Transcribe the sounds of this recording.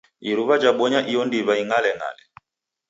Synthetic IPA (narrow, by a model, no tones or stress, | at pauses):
iɾuβad͡ʒaɓɔɲaʔijɔndiβaiŋalɛŋa̰lɛ